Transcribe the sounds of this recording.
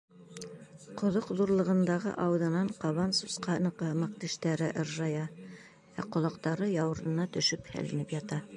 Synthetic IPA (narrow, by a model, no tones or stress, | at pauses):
qŏðoqðuɾlˠɤ̆ʁɤ̆nd̪ɑʁɤ̰ʔɑwðɤ̆nɑɴqɑβɑnsusqɑnɤ̆qɤmɑq̚t̪iʃt̪æɾɘʔɤ̆ɾʒɑjɑ | æqŏlˠɑqt̪ɑɾɤjɑwɤ̆ɾɤ̆nɑt̪ɵ̆ʃɵphæ̰lɘ̰̆nɘpjɑt̪ɑ